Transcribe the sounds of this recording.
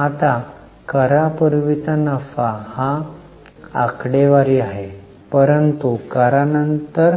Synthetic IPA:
at̪a | kəɾapuɾʋit͡sanəfaha | akɽeʋaɾiːaɦe | pəɾənt̪ukəɾanənt̪əɾ

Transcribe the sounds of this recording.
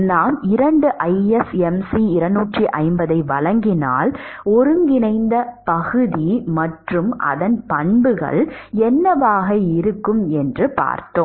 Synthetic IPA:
naːmɪɾɐɳɖɯʔɐɪɛsɛmsiɪɾɐnːuːʈriʔɐ̰ɪmbɐðɐɪʋɐɭɐŋɡɪna̰ːlɔɾɯŋɡɪnɐɪnd̪ɐpɐɣɯðimɐʈrɯmʔɐ̰ðɐnpɐɳbɯɣɐ̰ɭɛnːɐʋaːɣɐɪɾɯkːɯmɛndrɯpa̰ːɾt̪ːoː

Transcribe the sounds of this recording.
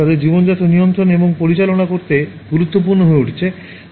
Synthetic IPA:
ad̪eɾd͡ʑibond͡ʑat̪onijont̪ɾoneboŋpoɾit͡ɕalonakoɾt̪eɡuɾut̪ːopuɾnoɦoeuʈʰe̥t͡ɕʰe

